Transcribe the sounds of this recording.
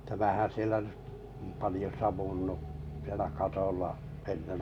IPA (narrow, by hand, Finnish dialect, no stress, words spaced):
tæmæhæn̞ sielæ nẙ pɑlĭjo sɑʋunːu sielæ kɑtolːɑ enːen